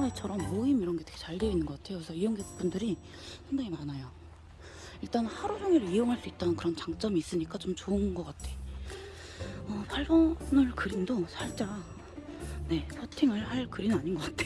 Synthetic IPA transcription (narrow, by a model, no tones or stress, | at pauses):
et͡ɕʰʌɾʌmːoimiɾʌnɡetʰeɡ̥et͡ɕaɭdeinːɯnŋɡʌk͈atʰe̞joksʰʌijoŋɡep͈undɯɾi | sʰandaŋimanajo | iɭt͈anhaɾud͡ʑʰoŋeɾoijoŋɦaɭs͈uit̚t͈anɯnkɯɾʌnt͡ɕaŋt͡ɕ͈ʌmiːs͈ɯɲik͈at͡ɕomt͡ɕoɯnɡʌk͈atʰe̞ | ʌpaɭbʌnɯɭkɯɾindosʰaɭt͡ɕ͈a | ne̞kʰʌtʰiŋɯɭhaɭkɯɾinɯnaɲinɡʌk͈atʰe̥